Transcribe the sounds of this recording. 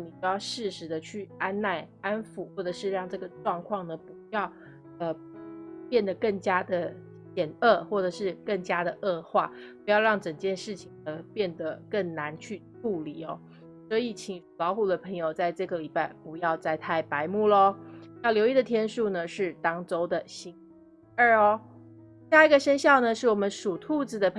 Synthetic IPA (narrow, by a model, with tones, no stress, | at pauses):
ni˨˩t͡ɕjɑ˥˧ʊʂɻ̩˥˩ʂɻ̩˧˥d̪ə˧t͡ɕʰy˥˩a˥nna˥˩ɪa˥nfu˨˩˦xwɔ˥˩ʈ͡ʂɤ˨˩ʂɻ̩˥˧ɻɑ˥˧ŋʈ͡ʂɤ˥˩ɡə˩ʈ͡ʂwɑ˥˧ŋkʰwɑ˥˩ŋnə˩pu˧˥jɑ˥˧ʊ | ə˧ | pjɛ˥˩nd̪ə˩kə˥˩ŋt͡ɕja˥d̪ə˨ | ɕjɛ˨˩nɤ˥˧xwɔ˥˩ʈ͡ʂɤ˨˩ʂɻ̩˥˧kə˥˩ŋt͡ɕja˥d̪ə˨ʔɤ˥˧xwa̰˥˩pu˧˥jɑ˥˧ʊɻɑ˥˩ŋʈ͡ʂə˨˩ŋt͡ɕjɛ˥˧nʂɻ̩˥˩t͡ɕʰi˨˩ŋnə˦pjɛ˥˩nd̪ə˩kə˥˩ŋna˧˥nt͡ɕʰy˥˧ʈ͡ʂu˥˩li˨˩ɔ̰˦ | swɔ˧˥i˨˩t͡ɕʰi˨˩ŋʂu˨˩lɑ˧˥ʊxu˨˩d̪ə˦pʰə˧˥ŋjo˨˩ʊt͡sa˥˧ɪʈ͡ʂɤ˥˩ɡə˩li˨˩pa˥˩ɪpu˧˥jɑ˥˧ʊt͡sa˥˧ɪt̪ʰa˥˧ɪpa˧˥ɪmu˥˩lə˧jʊljo˧˥ʊi˥˩d̪ə˩t̪ʰjɛ˥nʂu˥˩nə˩ʂɻ̩˥˩t̪ɑ˥ŋt͡so˥ʊd̪ə˨ɕi˧˥ŋ | ə˥˩ɔ˩˥ | a˥˧i˧˥ɡə˨ʂə˥nɕjɑ˥˩ʊnə˩ʂɻ̩˥˩wɔ˨˩mə˧˦nʂu˨˩t̪ʰu˥˧t͡sɹ̩˨˩d̪ə˩pʰ